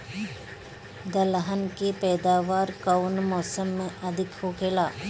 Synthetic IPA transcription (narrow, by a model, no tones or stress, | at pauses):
d̪ɐlɦənkepɛːd̪aːʋaːɾkawnmɔːsəmːẽʔɐd̪ʱɪkɦoːkʰeːlaː